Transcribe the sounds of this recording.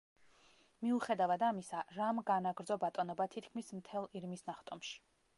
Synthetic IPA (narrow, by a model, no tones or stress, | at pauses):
miuχɛd̪avad̪amisaɾamɡanaɡɾd̪zɔbat̪ʼɔnɔbat̪ʰit̪ʰkʰmismt̪ʰɛlˠiɾmisnaχt̪ʼɔmʃi̥